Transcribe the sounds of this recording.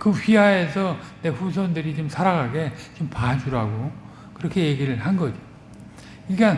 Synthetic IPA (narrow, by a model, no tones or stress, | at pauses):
kɯɸiɦae̞sʰʌne̞ɸus̬ʰʌndɯɾit͡ɕomsʰaɾaɡaɡe̞t͡ɕompad͡ʑuɾaɡo | kɯɾʌkʰe̞je̞ɡiɾɯɭhanɡʌd͡ʑi | iɭkan